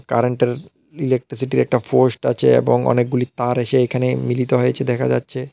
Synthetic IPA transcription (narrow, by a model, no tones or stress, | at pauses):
kaɾeɳʈeɾ | ilek̚ʈɾisiʈiɾɛk̚ʈafosʈat͡ɕʰḛḛboŋɔ̰nek̚ɡulit̪aɾeʃeekʰanemilit̪oɦojet͡ɕʰed̪ɛkʰad͡ʑatːɕʰe